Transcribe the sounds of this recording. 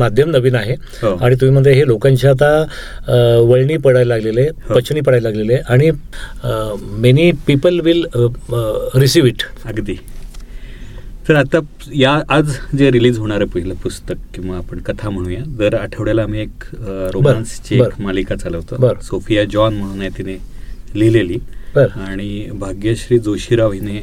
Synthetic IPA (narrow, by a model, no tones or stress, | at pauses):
mad̪ʱjəmnəʋiːnaɦe | ɦoaɽ̃it̪̬um̤iːm̤əd̪leɦelokãɲt͡ɕjat̪̬a | ʋəɭɳiːpəɽajlaɡleleɦɦopət͡ɕɳiːp̬əɽajlaɡleleʔaɽ̃i | menipipəlʋil | ɾisiʋiʈəɡd̪iː | t̪əɾat̪a | jaːd͡zd͡zeɾiliːd͡zɦoɽ̃aɾəpəɦiləpust̪əkkĩʋaːpəɳkət̪ʰam̤əɽ̃ũːjad͡zəɾaʈʰəʋɽjalaːm̤iekɾombəɾanst͡ɕebəɾkmalikat͡saləʋt̪obəɾsofijad͡ʑɔnm̤əɽ̃unajet̪inelileliːbəɾaɽ̃ibʱaɡjaɕɾiːd͡zoɕiɾaʋine